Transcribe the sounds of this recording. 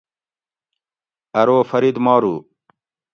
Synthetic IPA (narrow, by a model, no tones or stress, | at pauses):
ɐɾoːfɐɾid̪mɑːɾuː